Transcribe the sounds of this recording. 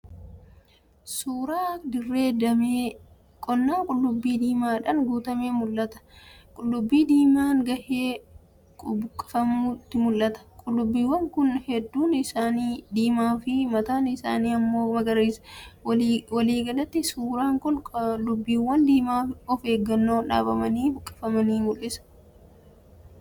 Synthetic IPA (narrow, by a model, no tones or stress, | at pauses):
suːɾaːd̪ɪrːe̞ːd̪ɐmeː | kʼɔnːaːkʼʊlːʊbːiːd̪iːmaːᶑɐnɡuːt̪ɐmeːmʊlːɐt̪ɐ̥kʼʊlːʊbːiːd̪iːmaːŋɡɐʔeː | kʼʊbʊkʼːɐ̥fɐmuːt̪ːɪmʊlːɐt̪ɐ̥kʼʊlːʊbːiːwːɐŋkʊnhɛd̪ːuːnɪsaːniːd̪iːmaːfɪmɐt̪aːnɪsa̰ːniːɐmːo̞ːmɐɡɐɾiːs | wɐliːɡɐlɐt̪ːɪsuːɾaːŋkʊnlːʊbːiːwɐnd̪iːmaːɔfe̞ːɡːɐnːo̞ːᶑa̰ːbɐmɐniːbʊkʼːɐ̥fɐmɐniːmʊlːɪsɐ̥